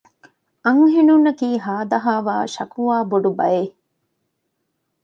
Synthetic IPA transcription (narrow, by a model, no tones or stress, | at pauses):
ʔɐŋɦenunɐkiːɦaːd̪ɐɦaːʋaːʃɐkuʋaːboɖubɐje